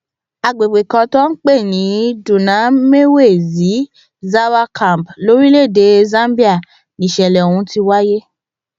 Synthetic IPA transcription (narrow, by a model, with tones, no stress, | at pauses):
a˨ɡ͡be˨ɡ͡be˨kɔ̃˧tɔ̃˦n̩˦k͡pe˦˨nĩ˨˦dũ˨nã˨˦me˦we˦˨zi˨˦ | za˦wa˧kʰã˨m˨blo˨˦ɾi˦le˦˨de˨˦zã˦bi˦a˦˨ | nĩ˨ʃɛ˨lɛ˨o˨hũ˧˦ti˧wa˦je˦